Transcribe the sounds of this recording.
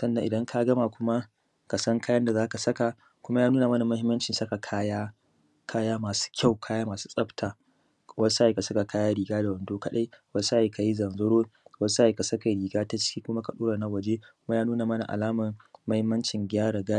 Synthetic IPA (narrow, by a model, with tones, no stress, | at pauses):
sɐ˦nːɐ˨ŋʔɪ˨dɐ˦ŋkʰa˦ɡɐ˦ma˨kʷʊ˦ma˦ | ka˨sɐ˦ŋkʰaː˦jɐ˦nda˨zaː˦ka˨sɐ˦ka˨ | kʷʊ˦ma˦jaː˦nuː˦naː˨mɐ˦na˨mɐ˦hɪ˦mːɐ˦nt͡ʃɪ˨nsɐ˦ka˨kʰaː˦jaː˦ | kʰaː˦jaː˦maː˨su̥˦kʲʰa˦˨wkʰaː˦jaː˦maː˨su̥˦sʼɐ˦btʰaː˨ | wɐ˦sa˦ji˨ka˨sɐ˦ka˨kaː˦jaː˦ɽiː˨ɡaː˦da˨wɐ˨ndoː˦kɐ˦ɗa˦jwɐ˦sa˦i˨kʰa˨ji˦zɐ˨nzɐ˦ɽoː˦wɐ˦sa˦ji˨ka˨sɐ˦ka˨ɾiː˨ɡaː˦ta˦t͡ʃɪ̥˦kʲiː˦kʷʊ˦ma˦ka˨ɗoː˦ɽa˨na˦wɐ˨d͡ʒe˦kʊ˦ma˦jaː˦nuː˦naː˨mɐ˦na̰˨ʔa̰˨laː˦mɐ˨ŋːɐ˦hɪ˦mːɐ˦nt͡ʃɪ˨ŋɡʲaː˦ɽa˨ɡa˦